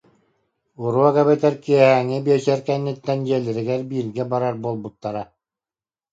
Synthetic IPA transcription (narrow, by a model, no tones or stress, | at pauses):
uɾuɔɡaβɛt̪ɛɾkiɛɦæŋɘbiɛt͡ɕɛɾkɛnːit̪ːɛnd͡ʑiɛlʲɘɾɘ̆ɡæɾbiːɾɡɛbaɾaɾbuɔlˠbut̪ːaɾa